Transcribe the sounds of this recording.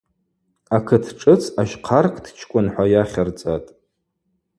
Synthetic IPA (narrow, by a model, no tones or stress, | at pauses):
akʰɨtʰʈ͡ʂʼɨt͡sʰaʃqʰarkʰʼdʰt͡ʃʰkʷʼʊnħʷajaχʲart͡sʼatʼ